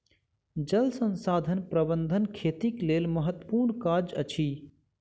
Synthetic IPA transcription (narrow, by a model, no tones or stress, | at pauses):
d͡ʒəlsə̃nsaːd̪ʱənpɾəbənd̪ʱənkʰeːt̪ikleːlməɦət̪wəpuɾnkaːd͡ʒət͡ʃʰi